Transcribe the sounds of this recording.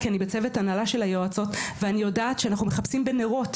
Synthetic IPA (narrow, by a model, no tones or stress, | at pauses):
kianibet͡se̞vetanalaʃe̞lajoat͡so̞tveanijo̞daːtʃeanaχnumeχapsimbe̞neʁo̞t